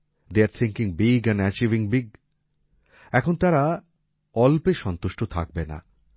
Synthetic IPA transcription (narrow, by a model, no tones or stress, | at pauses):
d̪eaɾt̪ʰĩŋkĩŋbiɡɛ̃nɛt͡ɕiviŋbiɡ̚ | ɛkʰont̪aɾa | ɔlpeʃɔnt̪oʃʈot̪ʰa̰k̚bena̰